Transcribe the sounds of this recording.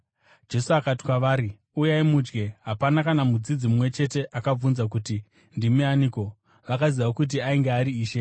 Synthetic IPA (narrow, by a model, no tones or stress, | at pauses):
d͡ʒe̞suakati̥kwaʋaːɾi | ujaimud͡ʒɡe̞ɦapanakanamud͡zid͡zimumwe̞t͡ʃe̞te̞ʔakab͡vunzak̬uti | ndimianiko̞ | ʋakaziʋaokut̬iaiŋɡeaɾiːʃe̞